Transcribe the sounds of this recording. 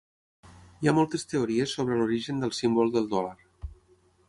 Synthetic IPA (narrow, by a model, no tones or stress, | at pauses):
iamɔlˠt̪əst̪euɾiəsːoβ̞ɾəluɾiʒənd̪əlˠsimbolˠd̪əlˠd̪ɔlaɾ